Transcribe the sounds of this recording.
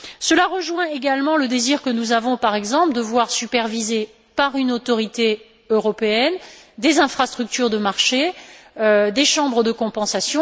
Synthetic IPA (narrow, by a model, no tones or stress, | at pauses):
səlaʁəʒwɛ̃eɡalmɑ̃ləd̪eziʁkənuzavɔ̃paʁɛɡzɑ̃pld̪əvwaʁsypɛʁvize | paʁynot̪ɔʁit̪e | øʁɔpeɛnd̪ezɛ̃fχast̪χyk̚t̪yʁd̪əmaʁʃe | d̪eʃɑ̃bʁəd̪əkɔ̃pɑ̃sasjɔ̃